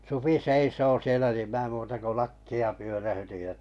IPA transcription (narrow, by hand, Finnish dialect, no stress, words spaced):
supi seisoː sielæ nim mĭæˑ muːtɑ ko lɑkːiɑ pyøræhytij jɑ̆